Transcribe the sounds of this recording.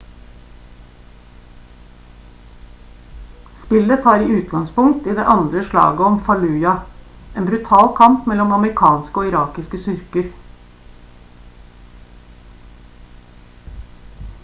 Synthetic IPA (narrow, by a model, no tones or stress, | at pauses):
spɪlːət̪ʰɑːɾiːʉːt̪̚ɡɑŋspʊŋ̚t̪iːd̪ḛːʔɑnd̪ɾəʂlɑ̰ːɡəɔmfɑlʉːjɑ | ʔeːnbɾʉt̪ʰɑːlkʰɑmpmɛlɔmɑməɾɪkʰɑːnskəoːɪɾɑːkɪskəsʏɾkəɾ